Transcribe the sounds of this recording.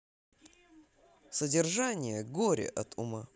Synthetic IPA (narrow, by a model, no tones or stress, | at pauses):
sədʲɪrʐanʲɪjəɡoɾʲɪ̰ʔɐt̪ʰʊ̰ma